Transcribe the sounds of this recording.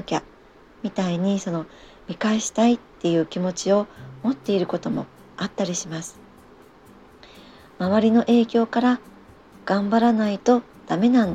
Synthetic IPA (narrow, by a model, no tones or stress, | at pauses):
kʲa | mʲit̪aiɲ̟iso̞no̞ | mʲikaeɕi̥t̪ait̪ːe̞jɯ̟ːkʲimo̞t͡ɕio̞mo̞t̪ːe̞iɾɯ̟ko̞t̪o̞mo̞̰ | at̪ːaɾʲiɕimasɨ̥ | maβaɾʲino̞ʔe̞ːkʲo̞ːkaɾa | ɡ̥ãmbaɾanait̪o̞ | d̪̥ame̞nãnd̪